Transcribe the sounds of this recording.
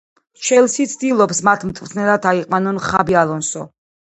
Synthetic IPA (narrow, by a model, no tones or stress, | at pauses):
ʃɛlˠsit̪sʰd̪ilˠɔpsmat̪ʰmt̪ʼvt̪ʰnɛlat̪ʰaiqʼwanɔnχabialˠɔnsɔ